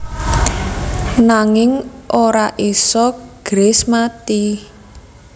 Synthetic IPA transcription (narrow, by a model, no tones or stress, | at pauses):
naŋɪŋʔoɾaʔisɔɡ̥ɾesmat̪i